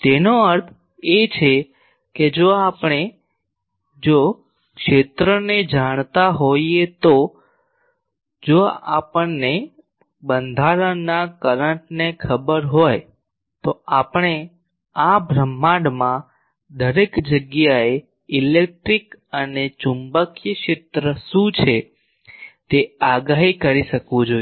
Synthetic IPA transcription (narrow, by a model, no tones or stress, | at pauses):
t̪enoəɾt̪ʰ | et͡ʃʰe | ked͡ʒoapɳ̃e | d͡ʒo | kʃet̪ɾəned͡ʒaɽ̃t̪aɦoiet̪o | d͡ʒoa̰pəɳne | bənd̪ʱaɾənakəɾəʈnekʰəbəɾɦoj | t̪oapɳ̃e | abʱɾəmːaɽmã | d̪əɾekd͡ʒəɡjae | ilek̚ʈɾikənet͡ʃumbəkjəʃet̪ɾəʃũt͡ʃʰe | t̪eaɡaɦikəɾiʃəkʋũd͡ʒoi